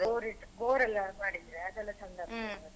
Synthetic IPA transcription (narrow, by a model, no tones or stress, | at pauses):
oɾiɡoːɾɛlːɐmaːɽid̪ɾeɐd̪ɛlːɐsɐnd̪ɐɾbɐɐɐ